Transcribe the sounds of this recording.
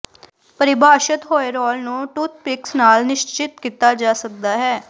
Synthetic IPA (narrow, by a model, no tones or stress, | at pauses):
pəɾɪbʱaːʃət̪ɦoːeɾɔːlnũːʈuːt̪̚ʰpɪksnaːlnɪʃt͡ʃɪt̪kiːt̪aːd͡ʒaːsək̚d̪aːɦɛː